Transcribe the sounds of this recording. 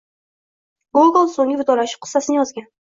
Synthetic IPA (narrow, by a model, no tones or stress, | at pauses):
ɡuɡlˠsoŋʲɪvɪd̪ɒɾaʃɪ̥p̚qʰɨ̥sːasɪnɪjɒzɡʲan